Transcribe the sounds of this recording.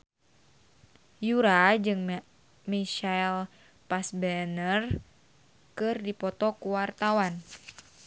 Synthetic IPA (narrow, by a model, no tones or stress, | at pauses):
juɾad͡ʒɨŋ | miʃail | pasbɛnər | kɨrdipɔt̪ɔkuwart̪awan